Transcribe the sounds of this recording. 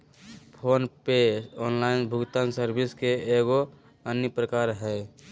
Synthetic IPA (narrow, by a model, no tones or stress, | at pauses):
pʰoːnpeːɔːnlaɪnbʱʊɡt̪ansəɾbɪskeeːɡo | ənjəpɾəkaːɾɦɛ